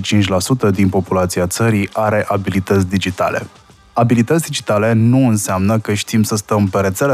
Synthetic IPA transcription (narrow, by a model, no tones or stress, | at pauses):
t͡ʃint͡ʃʲlasut̪əd̪inpo̞pulat̪siat̪səɾiaɾe̞ʔabilit̪ət̪sʲd̪id͡ʒit̪a̰le̞̰ | abilit̪ətsʲd̪id͡ʒit̪ale̞nuɨnseamnəkəʃt̪imsəst̪əmpe̞ɾe̞t̪sele